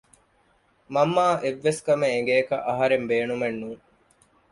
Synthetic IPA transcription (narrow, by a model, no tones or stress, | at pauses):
mɐmːaːʔeʋːeskɐmeeŋɡeːkɐʔɐɦɐɾembeːnumenːuːŋ